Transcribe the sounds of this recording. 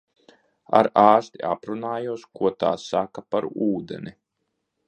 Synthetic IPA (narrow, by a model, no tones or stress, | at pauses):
a̰ɾaːst̪iʔapɾunaːjuɔskuɔt̪a̰ːsakapaɾuːd̪ɛ̰ni